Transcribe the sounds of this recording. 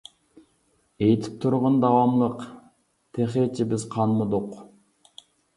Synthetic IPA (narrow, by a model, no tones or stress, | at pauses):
ejt̪ʰi̥p̚t̪ʰuɾʁʊnd̪ɑwɑmlˠəq | t̪ʰeχet͡ʃʰibɪzqʰɑnmud̪uq